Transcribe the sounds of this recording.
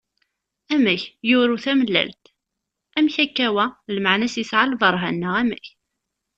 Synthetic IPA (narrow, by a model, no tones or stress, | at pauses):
æmæçjʊɾuθæməlːæ̰lt̪ | æmçækːæwælmaʕnæsisʕalvˤɑɾˤɦæ̰nːəʁæmæ̰ç